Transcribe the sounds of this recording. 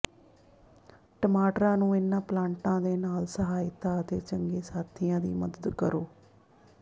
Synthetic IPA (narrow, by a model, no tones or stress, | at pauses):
ʈəmaːʈɾãːnũːɪnːãːplãːɳʈãːd̪eːnaːlsəɦaːɪt̪aːət̪ḛːt͡ʃəŋɡeːsaːt̪ʰɪjãːd̪ḭːməd̪əd̪kəɾoː